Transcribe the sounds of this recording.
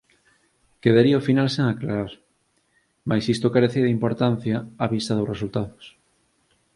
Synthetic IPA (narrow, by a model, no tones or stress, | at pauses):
keðaɾiaofinalseŋaklaɾaɾ | majsist̪okaɾeθeðimpoɾt̪an̟θjaaβist̪ɐðosresult̪aðʊs